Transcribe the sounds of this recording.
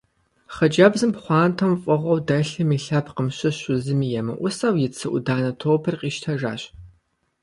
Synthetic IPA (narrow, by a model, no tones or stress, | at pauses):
χɐd͡ʒɐbzɨmpχʷɑːntʰɐmfʼɔʁʷɔwdɐɬɨmiːɬɐpʰqəmɕɨɕʊzɨmiːjɛmɐ̰ʔʷʊsaːwjɪt͡sʰɨʔʷʊdaːnɐtʰoːpʰɨrqiːʃtʰɐʒa̰ːɕ